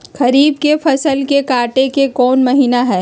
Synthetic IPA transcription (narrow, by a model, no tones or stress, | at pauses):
xɐɾiːb̚kepʰɐsəlkekaːʈekekɔːnmɐɦiːnaɦɛː